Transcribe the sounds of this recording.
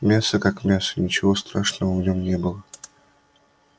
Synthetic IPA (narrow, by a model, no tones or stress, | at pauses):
mʲasəkakmʲasə̥nʲɪt͡ɕɪvo̞st̪ɾaʂnəvəvnʲomnʲe̞bɨlˠə